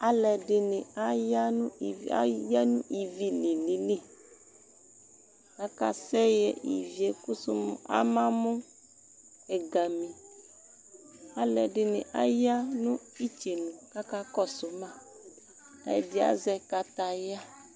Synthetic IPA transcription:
a˦lɛ˨ɖɪ˨nɪ̃˨a˦ja˦nũ˦˨a̰˦ja˦nṵ̃˦ʔi˨vi˨li˨li˨ne˦ | ka˦ka̰˦sɛ˦jɛ˨ʔḭ˨vi˨e˨ku˦su˦m˦a̰˦mã˦mɔ̃˦ | ɛ˨ɡa˨mĩ˨ | a˦lɛ˨ɖɪ˨nɪ̰̃˨ʔa˦ja˦nũ˦i˦t͡ʃe˨nũ˨ka˦ka˦kɔ˦sʊ˨mã˦ | a̰˨˦dɪ˦a̰˦zɛ˦ka˦t̪a˦ja˦

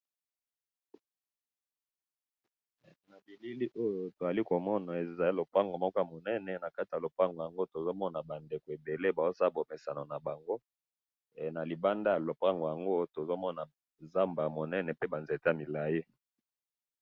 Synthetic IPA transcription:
na˨bi˨li˦li˦ʔo˦jo˨to˨za˨li˦ko˨mɔ˦na˨e˨za˨i˦lo˨pʁa˦ŋɡo˨mɔ˦kɔ˦a˨mo˨nɛ˦nɛ˨na˨ka˦ti˨ja˨lo˨pa˦ŋɡo˨ja˨ŋɡo˦to˨zo˦mɔ˦na˨ba˨nde˨ko˨e˨be˨le˦ba˨o˦sa˦bo˨mɛ˨sa˨no˨na˨ba˨ŋɡo˦˨ | na˨li˨ba˦nda˦ja˨lo˨pa˦ŋɡo˨ja˨ŋɡo˦to˨zo˦mɔ˦na˨ | za˦mba˨mo˨nɛ˦nɛ˨pe˦ba˨nze˨ta˦˨mi˨la˨ji˦

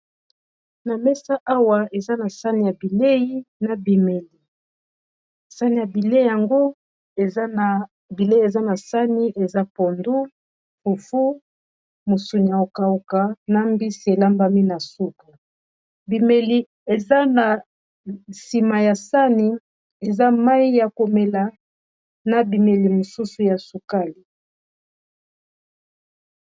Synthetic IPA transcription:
na˨mɛ˦sa˦ʔa˦wa˨e˨za˦na˨sa˦ni˨ja˨bi˨le˦ji˦na˨bi˨me˨li˨ | sa˦ni˨ja˨bi˨le˦i˨ja˨ŋɡo˦ | e˨za˦na˨ | bi˨le˦e˨za˦na˨sa˦ni˦ʔe˨za˦po˨ndu˦ | fu˨fu˦ | mo˨su˨ni˨a˨o˨ka˨o˨ka˨na˦mbi˦si˨e˨la˦mba˦mi˦na˨su˦ka˨ | bi˨me˨li˨ | e˨za˦na˨ | si˨ma˨ja˨sa˦ni˦ | e˨za˦ma˦i˦ja˨ko˨me˨la˨ | na˨bi˨me˨li˨mo˨su˦su˨ja˨su˨ka˦li˨

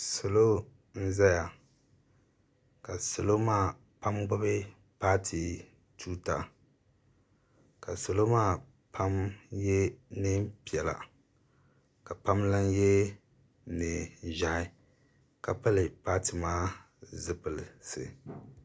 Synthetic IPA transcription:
so˨lo˦ | n̩˦za˦ja˨ | ka˨so˨lo˦maː˦ | pa˦mɡ͡bʊ˦bɪ˦ | paː˦tʰi˨ | tʰuː˦ta̰˨ | ka˨so˨lo˦maː˦ | pʰa˦mjɛ˦nɪ˦pi˨ɛ˨la̰˨ | ka˨pa˦mla˦njɛ˦ | nɨ˨ʒa˨ʔɪ˦ | ka˨pa˦lɪ˨paː˦tɨ˨maː˦ | zɨ˦pɨ˨lsɨ̰˨

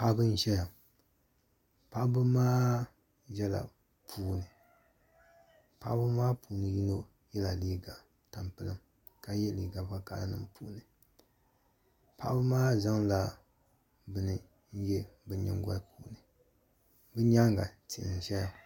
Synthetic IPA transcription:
pa˦bɨ˦n̩˦ʃɛ˦ja˨ | pa˦ʔbɨ˦maː˦ | jɛ˦la̰˨ | pʰuː˦nɨ˨ | pa˦ʔbɨ˦maː˦puː˨nɨ˨ji˦no˦ | jɛ˦la˨liː˦ɡa˨ | ta˨mpɨ˦lɨ˦m | ka˨jɛ˦li˨ɡa˨pa˦ka̰˦la˦nɨ̰˦mpʰu˦˨˦nɨ˨ | pa˦ʔbɨ˦maː˦za˦ŋla˨ | bɨ˨nɨ˨ | n̩˦jɛ˦bɨ˦ɲɛ̰˦ŋ˦ɡa̰˦pʰuː˦˨nɨ˨ | bɨ˦ɲa˦ŋɡa˨ti˨n˨ʃɛ˦ja˨

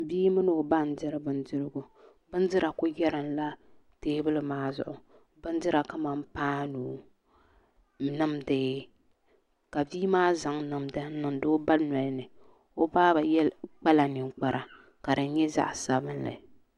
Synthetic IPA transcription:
biː˦mɨ˦nɨ˦˨o˨ba˦n̩˦dɨ˦ɾɨ˦bɨ˦ndɨ˦ɾɨ˦ɡʊ˨ | bɨ˦n˦dɨ˦ɾa˨kʊ˦jɛ˦ɾɨ˨n˦la˦teː˦bɨ˦lɨ˨maː˦zʊ̰˦˨ʔʊ˨ | bɨ˦n˦dɨ˦ɾa˨ka˦ma˨m˦paː˦nuː˨˦ | nɨ˦mdeː˦ | ka˨biː˦maː˦za˨ŋnɨ˨mda˦n˦nɨ˨mdɨ˦ba˦na˨lnɨ˨ | o˦baː˦ba˨jɛ˦lk͡pa˦la˨nɨ˨ŋ˨k͡pa˨ɾʔa˨ | ka˨dɨ˨n˦ɲɛ˦za̰˦ʔsa˨bɨ˦nla̰˨

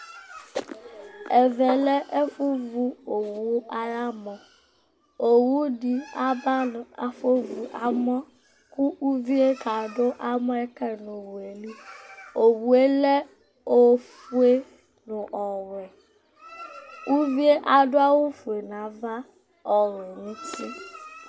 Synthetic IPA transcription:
ɛ˨vɛ˨lɛ˦ʔe˦fu˦vu˦o˨wu˦a˦la˦mɔ̃˨ | o˨wu˦ɖi˦a˦ba˦n˨a̰˨fe˦vu˨ʔa˨mɔ̃˦ | ku˦ʔu˦vi˦e˦ta˨ɖo˦ʔa˦mɔ̃˦ɛ˦kɛ˦nʊ̃˨wu˨e˨li˦o˨wu˨e˦lɛ˦ | o˨fu˦e˦ | nʊ̃˨ʔɔ˨wɛ˨ | u˦vi˦e˦ʔa˨ɖo˦a˦wu˦fu˨e˨nã˨va˦ | ɔ˨ɾɛ˨nĩ˦t̪i˦

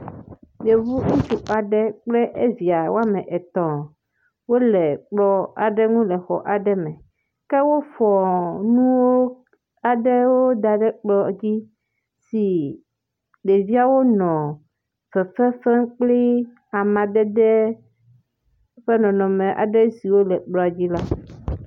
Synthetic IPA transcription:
je˨vu˦ŋũ˦t͡ʃu˦ʔa˨ɖɛ˦k͡plɛ˦ʔe˦vi˨a˨wo˦a˦mɛ̃˨ʔɛ˨t̪ɔ̃˨ | wo˦lɛ˨k͡plɔ˦a̰˨ɖɛ˦ŋũ˦lɛ˨xɔ̰˨ʔa˨ɖɛ˦mɛ̃˨ | kɛ˦wo˦fɔ˨nũ˦wo˦ | a˨ɖɛ˦wo˦d̪a˨ɖɛ˦k͡plɔ˦d͡ʑi˦ | si˨ | ɖe˨vi˦a˨wo˦nɔ̃˨ | fɛ˨fɛ˦fɛ̃˦k͡pli˦ | a˨mã˨d̪ɛ˦d̪ɛ˦ | ɸɛ˦nɔ̃˨nɔ̃˨mẽ˨ʔa̰˨ɖɛ˦si˨wo˦lɛ˨k͡plɔ˦a˨d͡ʑi˦la˦

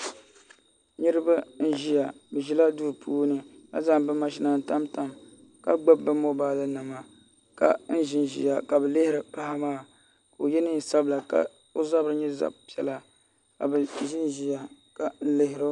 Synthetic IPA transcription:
ɲi˦ɾɨ˦ba˦n̩˦ʒi˦ja˨bɨ˨ʒi˦la˦du˦ɾpʰuː˦nɨ˦a̰˦za˦ŋbɨ˦ma˦ʃi˦na˨n̩˦ta˦mta˨m | ka̰˦ɡ͡ba˦bːɨ˦mo˦baː˦la˦nɨ˨ma˨ | ka̰˨n̩˦ʒɪ˦nʒḭ˦˨ja˨ka˨bɛ˨lɪ˦hɪ˦ɾɨ˨pa˦ha˦maː˦˨ | ko˨jɛ˦nɨ˦n˨sa˦bla˨ka̰˨ | o˦za˦bɨ˨ɾɨ˦ɲɛ˦za̰˨pi˨˦ɛ˦la˨ | ka˨bɛ˨ʒɪ˦n˦ʒi˦ja˨ | ka˨n̩˦lɪ˦ɦɪ˨ɾo˦

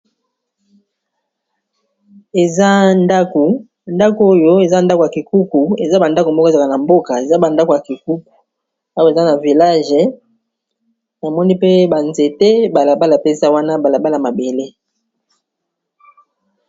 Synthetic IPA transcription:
e˨za˦nda˦ku˨ | nda˦ko˨˦o˦jo˦e˨za˦nda˦ko˨ja˨ki˨ku˦ku˨e˨za˦ba˨nda˦ko˨mbɔ˦kɔ˦˨za˨ka˨na˨mbo˦ka˨e˨za˦ba˨nda˦ko˨ja˨ki˨ku˦ku̥˨ | a˦wo˦e˨za˦na˨vi˨la˦ʒɛ˨ | na˨mɔ˦ni˦pe˦ba˨nze˨te˦ba˨la˨ba˦la˨pe˦sa˦wa˦na˦ba˨la˨ba˦la˨ma˨be˨le˦

